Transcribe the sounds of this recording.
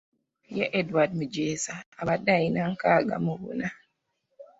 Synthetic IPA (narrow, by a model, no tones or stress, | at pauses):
jɛʔɛdwad̚mud͡ʒɛːsaaɓadajinaŋkaːɡa̰muwṵna